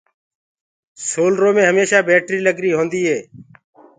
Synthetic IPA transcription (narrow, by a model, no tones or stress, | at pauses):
soːlɾoːmẽːɦəmeːʃaːbeːʈɾiːləɡɾiːɦõːnd̪iːɦeː